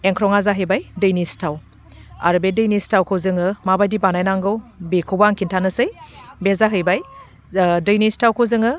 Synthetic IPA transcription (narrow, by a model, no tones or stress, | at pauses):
eŋkʰɾɔŋazaɦɯjbajdɯjnistʰaw | a̰ɾbedɯjnistʰawkʰɯwzɯŋɯmabajdibanajnaŋɡɯwbekʰɯwbaŋkʰintʰanɯsɯjbezaɦɯjbaj | dɯjnistʰawkʰɯzɯŋɯ